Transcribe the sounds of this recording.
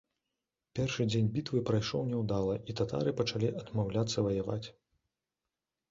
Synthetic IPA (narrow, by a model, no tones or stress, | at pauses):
pʲɛrʂɨd͡zʲenʲbʲit̪vɨpɾajʂɔwnʲɛwd̪alˠɐʔit̪at̪a̰ɾɨpɐt͡ʂalʲiʔɐd̪mawlʲat̪sːɐvɐjava̰t͡sʲ